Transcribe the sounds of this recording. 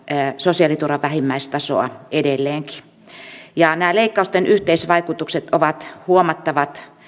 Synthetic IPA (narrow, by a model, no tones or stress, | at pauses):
sosiɑlit̪urɑʋʋæhimːæist̪ɑso̰ɑ̰edelːeːŋki̥ | jɑnæːleikːɑust̪enʔyht̪eisʋɑikut̪ukset̪oʋɑt̪huomɑt̪ːɑʋɑt̪